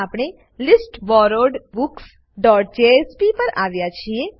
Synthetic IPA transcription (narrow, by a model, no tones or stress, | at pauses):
aːpɽ̃e | lɪsʈʋɔːɾoɾɖbuks | ɖɔːʈ̚d͡ʒeespipɐɾaːʋjat͡ʃʰie